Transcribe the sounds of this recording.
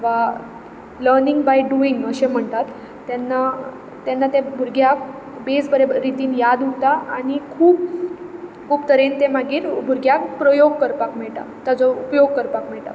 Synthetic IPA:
t̪ʋ̤a | ləɾniŋɡbajɖuiŋɡəɕem̤əɳt̪at̪ː | anːa | t̪anːat̪ebʱuɾɡjak̚ | bed͡zbəɾebəːit̪iːnjad̪ɦot̪aaɽ̃ikʰuːp̚ | kʰuːpt̪əɾent̪emaɡiːɾbʱuɾɡjak̚pɾəjoɡ̚kəɾpakmɛɭʈa̰t̪jat͡sɔupjoɡ̚kəɾpakmɛɭʈ̪a̰

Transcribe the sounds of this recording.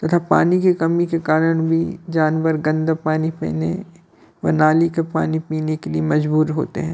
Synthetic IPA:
t̪ɐt̪ʰapa̰ːnikekɐmikekaːɾəɽ̃bʱid͡ʒaːnʋəɾɡɐ̃nd̪apaːnipḭːnḛ | ʋɐ̰naːlikepa̰ːnipiːnekeliemɐd͡ʒbuːɾɦo̰ːt̪ḛɦɛ̃ː

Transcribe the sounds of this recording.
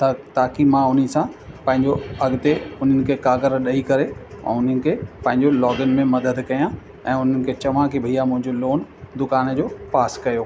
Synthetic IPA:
t̪aːkimãʊn̤isãpɐ̃ɦɪ̃ɲd͡ʑoɐɡt̪eʊn̤ənɪ̆kʰekaːɡəɾɗɐikɐɾeɛ̰̃ʊn̤ənɪ̆kʰeːpɐ̃ɦɪ̃ɲd͡ʑolɔːɡən̆mẽmɐd̪əd̪kɐjã | ɛ̃ːʊn̤ənɪ̆kʰeːt͡ɕɐʋ̤ãkibʱijamʊ̃ɦɪ̃ɲd͡ʑoloːnd̪ʊkaːnd͡ʑoːpaːskɐjoː

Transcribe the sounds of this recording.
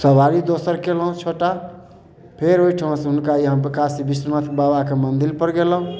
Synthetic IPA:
səbʱaɾid̪osəɾkelũt͡ʃʰoʈa | pʰeɾoiʈʰiʋãsɦʊnkajəɦãbikasibisənat̪ʰbabakemənd̪ilpəɾɡelũ

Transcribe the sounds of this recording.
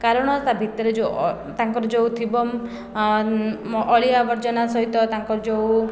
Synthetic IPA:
kaɾɔɽ̃ɔst̪abʱit̪ɔɾed͡ʒo | t̪aŋkɔɾɔd͡ʒowt̪ʰibɔm | ɔʔɔɭiabɔɾd͡ʒɔnasɔɦit̪ɔt̪aŋkɔɾɔd͡ʒow

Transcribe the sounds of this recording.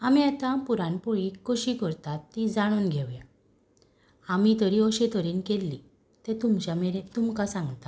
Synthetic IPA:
amiat̪ãpuɾãnpɔɭiːkɔɕikəɾt̪at̪ːĩd͡zaɽ̃uːnɡʱɛʋja | amit̪əɾiɔɕet̪əɾiːnkelːi | t̪ɛt̪umt͡ɕameɾet̪umkasãŋɡt̪a

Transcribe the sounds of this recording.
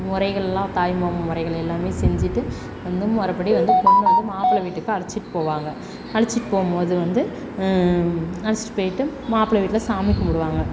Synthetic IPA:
mʊɾɐɪɣɐɭɛlːãːt̪aːjmommʊɾɐɪɣɐɭɛlːaːmeːsɛɲd͡ʒɪʈːɯ | ʋɐnd̪ɯmɔɾɐpːɐɽiʋɐnd̪ɯpɔɳːɯʋɐnd̪ɯmaːpɭɐʋiːʈːɯkːɯɐɽɐt͡ʃːɪʈːɯ̥poːʋaːŋɡɐ | ɐɽɐt͡ʃːɪʈːɯpoːmpoːðɯʋɐnd̪ɯ | ɐɽɪt͡ʃːɪ̥ʈːɯpoːjɪʈːɯmaːpɪɭɐʋiːʈːɪlɐsaːmɪkːɐmʊɽɯʋaːŋɡɐ

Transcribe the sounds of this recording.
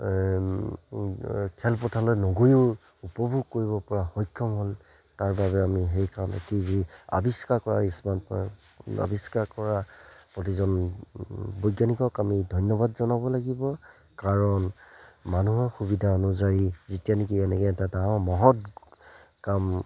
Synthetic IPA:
kʰɛlpɔtʰalojnoɡojʊ | upɔbʱuɡ̚koɹiβɔpɔɹaxɔjkʰːɔmɦol | taɹbaβɛamiɦejkaɔnḛtibia̰biskakɔɹaismanp | a̰biskakɔɹapɹɔt̬izɔn | bɔjɡanikɔkamidʱɔjnjɔbadzɔnabɔlaɡibɔ | kaɹɔnmanuɦɔxubidʱaɔnuzaɹizitijanik̬iɛnɛkɛɛtadaɔ̃mɔɦɔt | kam

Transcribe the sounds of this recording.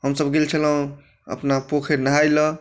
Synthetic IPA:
ɦəmsəbɡelt͡ʃʰələũ | ə̰pnapokʰeɾnəɦajlə

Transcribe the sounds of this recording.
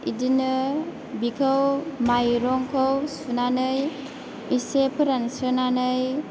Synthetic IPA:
idinɯ | bikʰəwmajɾɔŋkʰowsunanɯj | isepʰɯɾansɯnanɯj

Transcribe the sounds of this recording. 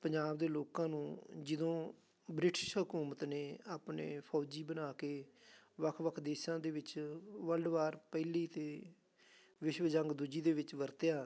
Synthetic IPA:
pəɲd͡ʒaːbd̪eːloːkãːnũːd͡ʒɪd̪õː | bɾɪʈɪʃɦʊkuːmət̪neːaːpnḛːpʰɔːd͡ʒiːbənaːkeːʋəkʰʋəkʰd̪eːʃãːd̪eːʋɪt͡ʃʋəlɖʋaːɾpɛːliːt̪eː | ʋɪʃʋəd͡ʒəŋɡd̪ʊd͡ʒiːd̪eːʋɪt͡ʃʋəɾt̪jaː

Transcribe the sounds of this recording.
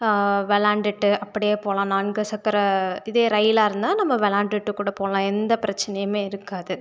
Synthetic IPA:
ʋɛlaːɳɖɪʈːɯʔɐpːɐɽɪjeːpoːlãːnaːnɡɐsɐkːɐɾɐɪðeːɾɐɪlaːɪɾɯnd̪aːnɐmːɐʋɛlaːɳɖɪʈːɯkːuːɽɐpoːɭãːɛnd̪ɐpɪɾɐt͡ʃːɐnɐjɐmeːɪɾɯkːaːðɯ

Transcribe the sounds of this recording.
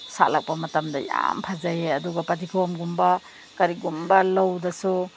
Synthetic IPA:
sa̰lak̚pɐmɐtamdɐja̰mpʰazajeɐduɡɐpɐtikʰawmɡumba | kɐɾiɡumbɐlawdɐsu

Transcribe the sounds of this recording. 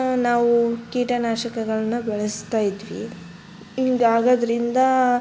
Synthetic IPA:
naːʋukiːʈɐnaːʃɐkɐɡɐɭɐnːubɛɭɐst̪aːjid̪ʋḭ | iŋɡaːɡoːd̪ɐɾind̪ɐ

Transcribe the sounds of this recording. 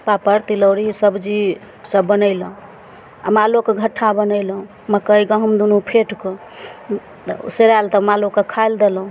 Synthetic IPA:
papəɾt̪iləwɾisəbd͡ʒi | səbːənəɪləũ | ə̰malokeɡʱəʈʰːabənəɪlɦũ | məkəiɡəɦəmd̪unupʰeʈkɔ | ṵseɾajlt̪əmalokːəkʰajld̪elũ

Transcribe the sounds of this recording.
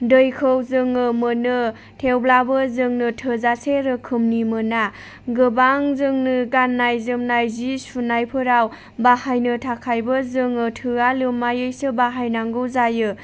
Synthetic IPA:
dɯjkʰɯwzɯŋɯmɯnɯ | tʰewblabɯzɯŋnɯtʰɯzaseɾɯkʰɯmnimɯna | ɡɯbaŋzɯŋnɯɡanːajzɯmnajzispʰunajpʰɯɾaw | bahajnɯtʰakʰajbɯzɯŋɯtʰɯalɯmːajɯjsɯbaɦajnaŋɡɯwzajɯ

